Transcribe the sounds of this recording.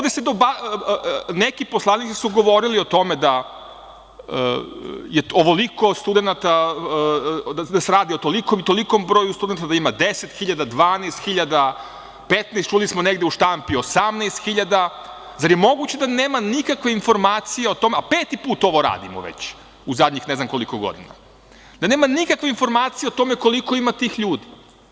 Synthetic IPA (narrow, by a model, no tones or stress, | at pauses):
od̪esed̪oba | nekiposlˠanit̪si̥suɡo̞ʋo̞ɾilio̞t̪o̞med̪a | jeoʋoliko̞st̪ud̪e̞nat̪a | ad̪aseɾaːd̪iot̪olikomit̪o̞likombɾoːjust̪ud̪ent̪ad̪aimad̪eset̪xiʎad̪ad̪ʋaːnest̪xiʎad̪a | pet̪nest͡ʃulismoneɡd̪euʃt̪ampiosamnejst̪xiʎad̪a | zaɾje̞mo̞ɡut͡ɕe̞d̪aneːmanikakʋeinfo̞ɾmaːt̪sijeot̪o̞meapeːt̪ipuːt̪o̞ʋo̞ɾa̰ːd̪imo̰ʋḛt͡ɕ | uzad̪ɲixne̞znamkoliko̞ɡo̰d̪ḭna̰ | d̪ane̞ːmanikakʋe̞info̞ɾmaːt̪sijeot̪o̞meko̞liko̞imat̪iːxʎuːd̪i